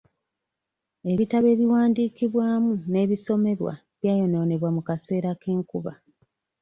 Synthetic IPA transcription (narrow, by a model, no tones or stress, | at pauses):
e̞βitaβe̞ːβiwaːndiːkiβwaːmune̞ːβiso̞me̞ɾwa̰ | βjaːjo̞no̞ːne̞βwamukase̞ːɾakeːŋkuβa